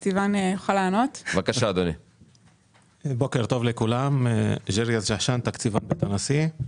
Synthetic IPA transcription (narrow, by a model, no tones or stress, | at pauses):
kt͡sivanjoχalaːnot̪vakaʃaːd̪oni | bo̞ke̞ʁt̪o̞vlekulamʒeʁijazʒaʃant̪akt͡sivanbet̪anasi